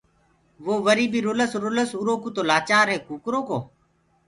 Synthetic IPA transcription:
ʋoːʋəɾiːbiːɾoːləsɾoləsuɾoːkoːt̪oːlaːt͡ʃaːɾɦeːkuːkɾoːkoː

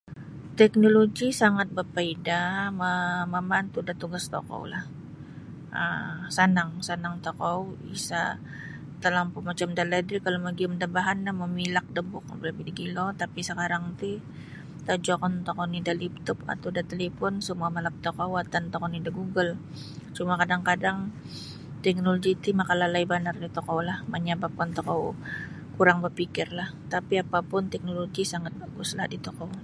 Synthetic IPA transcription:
t̪ɛk̚noloɡisaŋat̪̚bərpaidaməmamant̪udat̪uɡast̪o̰ko̰w̰lah | ə̰sanaŋsanaŋt̪okɔwḭsa̰ | t̪əlampumat͡ʃamdalɛdɾikalomaɡiʊmdabaɦanlahməmilak̚dəbʊk̚blabidiɡilot̪apisəkaɾaŋt̪i | t̪ad͡ʒɔkɔnt̪ɔkɔnidalip̚t̪ʊpa̰t̪awdat̪elefɔnsəmuamalap̚t̪okɔwat̪ant̪ɔkɔnidaɡuɡəl | t͡ʃumakadaŋkadaŋ | t̪ɛk̚noloɡit̪imakalalaibanardit̪ɔkɔlahmaɲabap̚kant̪ɔkɔw | kuɾaŋbərpikɪrlaht̪apiapapʊnt̪ɛk̚noloɡisaŋat̪̚baɡʊslahdit̪okɔ

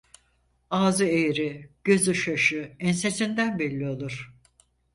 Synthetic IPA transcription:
aːzɯejɾiɟ̥ø̞zɯʃaʃɯɛnse̞sind̪ænbɛlʲːio̞lˠuɾ̥

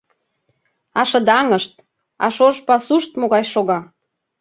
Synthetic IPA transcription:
ɑʃɤ̆d̪ɑŋəʃt̪̚ | ɑ̰ʃoʃpɑsuʃt̪moɣɑjʃoɣɑ

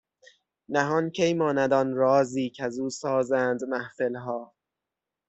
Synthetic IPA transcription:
næɦɒːncʰejmɒːnæd̪ɒːnɾɒːziːcʰæzuːsɒːzænd̪mæhfelɦɒː

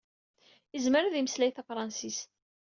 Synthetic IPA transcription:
əzməɾæðiməslæjθafɾˤɑnsist̪

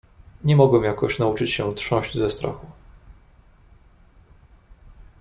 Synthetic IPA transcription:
ɲɛmɔɡwɛmjakɔɕnaut͡ʂɘt͡ɕɕɛtʂɔ̃w̃ʑd͡ʑzɛst̪ɾa̰xu

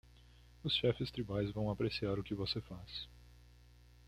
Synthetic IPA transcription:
ʊsʃɛfɪst̪ɾibajzvɐ̃w̃apɾesiaɾʊkɪvosefas

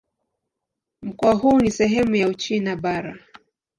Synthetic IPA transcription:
m̩kɔwaɦuːnisɛɦɛmujaut͡ʃinaɓaɾa

